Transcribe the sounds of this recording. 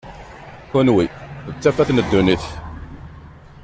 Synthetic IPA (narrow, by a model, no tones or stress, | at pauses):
hʊnwiət͡sːæfæθnəd̪ːuniθ